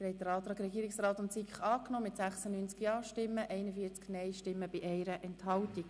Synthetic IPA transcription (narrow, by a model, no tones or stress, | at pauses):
hɛɪt̚dəɾɑːt̪ɾɑːkɾɛɡiːɾɪksɾɑːt̪ʊnsikχɑːknɔːmɪt̪sæχsənyːnt͡skjɑːʃtɪmːəʔɛɪnəfiːəɾt͡sknɛɪʃtɪmːəb̥iʔɛɪɾəʔɛnthɑltik